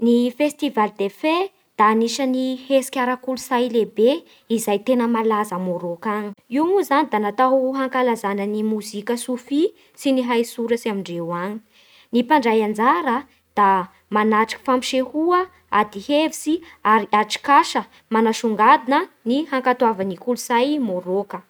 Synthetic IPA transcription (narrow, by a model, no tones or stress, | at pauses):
nifest̪ivald̪efe | d̪̥aːniʃənihesi̥kʲaɾakulusajlebe | izajt̪enəmalazamoɾokaɲi̥imuzanid̪anat̪aɦaŋkalazanənimuzikʲəsufi | siniɦajsuɾəsiamiɳɖ͡ʐewaɲi̥ | nipaɳɖ͡ʐajand͡zaɾə | d̪̥a | manaʈ͡ʂḁki̥fampi̥ʃehuə | ad̪ihevisiaɾiaʈ͡ʂi̥kaʃə | manaʃuŋɡad̪inənihaŋkat̪uavanikuluzajmoɾokə